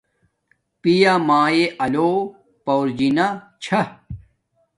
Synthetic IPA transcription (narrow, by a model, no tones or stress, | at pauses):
pijamaːjeʔɐloː | pɐwɾd͡ʑinat͡ɕʰɐ